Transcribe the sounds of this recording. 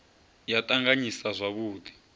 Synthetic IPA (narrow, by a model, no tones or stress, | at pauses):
jatʼaŋɡaɲisazʷaβuːdi̥